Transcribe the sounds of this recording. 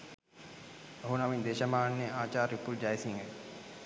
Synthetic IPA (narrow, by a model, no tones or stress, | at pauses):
oɦunaʋiɲd̪eːʃɐmaːnːeaːt͡ʃaːɾipuld͡ʒajsiŋə